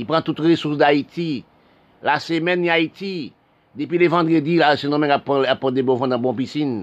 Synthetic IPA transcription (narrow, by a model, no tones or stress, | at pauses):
ipʁãt̪ut̪ʁesusd̪ait̪i | lasemɛniait̪i | d̪epɥilevãd̪ʁedilasẽnɔ̃mɛ̃kapːaapːɔd̪ebɔ̃vãd̪ãbɔ̃p̬isin